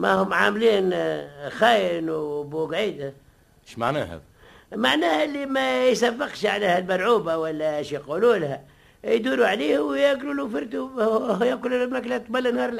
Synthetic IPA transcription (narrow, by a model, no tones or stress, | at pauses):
mæ̰hʊmːʕaːmliːnxæːjɪnwbuɡʕiːd̪a | ʃma̰ʕnæ̰hæ̰ | maʕnæːhʔɪlːimæjsafːəqʃʕaleːhælmalʕuːbawælːæʃjquluːlhæ | jd̪uːɾuʕaliːhwjaɡɾuːlufɪɾt̪ujæqʊlunmnæklæt̪ˤbælːənhɑːɾˤl